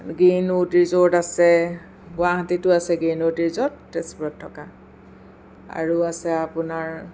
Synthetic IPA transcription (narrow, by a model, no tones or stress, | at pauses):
ɡinotiɹzoɹtasɛ | ɡʊaɦatitʊasɛɡinotiɹzɔt̚ːɛspɔtʰːɔka | a̰ɹuasɛapʊnaɹ